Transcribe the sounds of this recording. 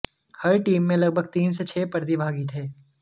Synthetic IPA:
hɐɾʈiːmːẽlɐɡbʱəɡ̚t̪iːnset͡ʃʰeːpɐɾd̪ibʱaːɡit̪ʰeː

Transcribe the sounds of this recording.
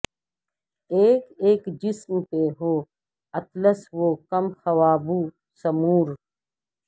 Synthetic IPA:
eːkeːkd͡ʒɪsmpeɦoː | ɐt̪ləsʋoːkɐmxɐʋaːbuː | sɐmuːɾ

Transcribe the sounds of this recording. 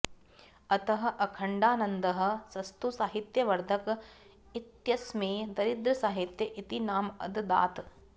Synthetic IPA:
ɐt̪ɐɦɐ̆ʔɐkʰɐɳɖaːnɐnd̪ɐɦɐ̆sɐst̪usaːɦit̪jɐʋɐɾd̪ʱɐk | it̪jɐsmeːd̪ɐɾid̪ɾɐsaːɦit̪jɐʔit̪inaːmɐ̰d̪d̪a̰ːt̪

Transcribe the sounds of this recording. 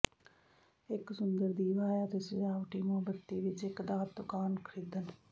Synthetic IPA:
ɪksʊnd̪əɾd̪iːʋaːjaːt̪esɪd͡ʒaːʋʈiːmõːbət̪ːiːʋɪt͡ʃɪkd̪aːt̪d̪ʊkaːnkʰəɾiːd̪ən

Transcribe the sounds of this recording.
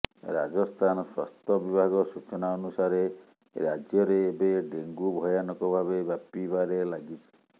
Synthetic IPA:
ɾa̰d͡ʒɔst̪ʰanɔswa̰st̪ʰɔbibʱaɡɔsut͡ʃɔnaɔnusaɾe | ɾad͡ʒjɔɾeːbeɖeŋɡubʱɔjanɔkɔbʱabebjapibaɾelaɡit͡ʃʰi̥

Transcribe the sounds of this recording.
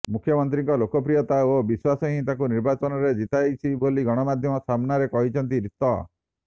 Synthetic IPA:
mukʰjɔmɔnt̪̬ɾiŋkɔlokɔp̬ɾijɔt̪aobiswasɔɦĩt̪ãkuniɾbat͡ʃɔnɔɾed͡ʒit̪ajt͡ʃʰiboliɡɔɽ̃ɔmad̪ʱjɔmɔsamnaɾekɔɦit͡ʃʰɔnt̪̬iɾit̪ɔ̰

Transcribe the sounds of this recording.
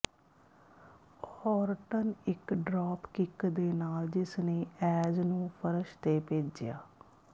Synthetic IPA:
hɔːɾʈənɪkɖɾaːpkɪkd̪eːnaːld͡ʒɪsneːɛːd͡ʒnũːpʰəɾəʃt̪eːpeːd͡ʒɪja̰ː

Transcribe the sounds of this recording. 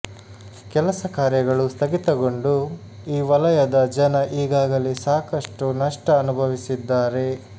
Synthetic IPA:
kɛlɐsɐkaːɾjɐɡɐɭust̪ʰɐɡit̪ɐɡo̞ɳɖu | iːʋɐlɐjɐd̪ɐd͡ʒɐnɐʔiːɡaːɡɐlisaːkɐʂʈunɐʂʈɐːnubʱɐʋisid̪ːaːɾe̞

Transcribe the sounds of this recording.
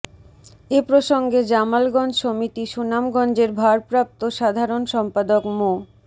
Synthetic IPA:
epɾoʃoŋɡed͡ʑamalɡɔnd͡ʑʃomit̪iʃunamɡɔnd͡ʑeɾbʱaɾpɾap̚t̪oʃad̪ʱaɾonʃɔmpad̪okmo

